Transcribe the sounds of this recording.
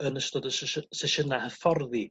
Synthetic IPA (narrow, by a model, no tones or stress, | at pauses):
ənəstɔdəssɛʃənahəfɔrði